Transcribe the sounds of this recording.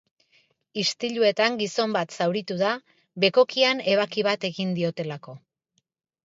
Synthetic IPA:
ist̪iʎue̞t̪aŋɡiso̞mbat̪sawɾit̪uða | βe̞ko̞kiane̞β̞akiβat̪e̞ɣind̪io̞t̪e̞lako̞

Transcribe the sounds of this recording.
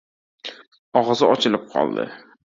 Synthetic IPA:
ɒʁɒzɪɒt͡ʃʰɪlɪp̚qʰɒ̰lˠd̪ɪ̰

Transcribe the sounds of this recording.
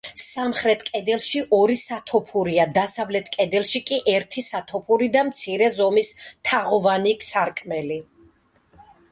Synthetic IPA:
samχɾɛt̪ʰkʼɛd̪ɛlˠʃiʔɔɾisat̪ʰɔpʰuɾiad̪asavlɛt̪ʰkʼɛd̪ɛlˠʃikʼiʔɛɾt̪ʰisat̪ʰɔpʰuɾid̪amt̪sʰiɾɛzɔmist̪ʰaʁɔvanikʼsaɾkʼmɛli

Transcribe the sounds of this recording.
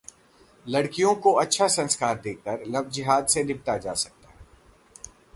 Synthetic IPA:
lɐɽkijõkoɐtːʃʰasɐ̃nskaːɾd̪eːkəɾlɐbd͡ʒɪɦaːd̪senɪb̚t̪ad͡ʒaːsɐk̚t̪aːɦɛ

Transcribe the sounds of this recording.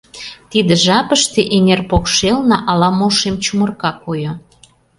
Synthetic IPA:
t̪id̪ĕʒɑpəʃt̪eʔenerpokʃelnɑʔɑlɑmoʃemt͡ɕumərkɑkujo

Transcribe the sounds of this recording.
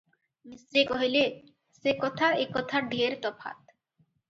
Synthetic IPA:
misɾekɔɦile | sekɔt̪ʰaekɔt̪ʰaɖʱieɾt̪ɔpʰa̰t̪

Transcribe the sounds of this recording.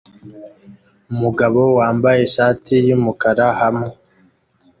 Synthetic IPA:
umuɡaβo̞waːmbaje̞ʃaːtʰijumukaɾahame

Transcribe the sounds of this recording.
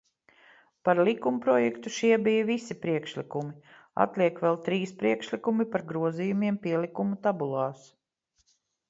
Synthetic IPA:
paɾlʲikumpɾɔjɛkt̪uʃiɛbijəvisipɾiɛkʃlikumi | a̰t̪lʲiɛkʋɛlˠt̪ɾiːspɾiɛkʃlikumipaɾɡɾuɔziːjumiɛmpʲiɛlikumut̪abulˠɑːs

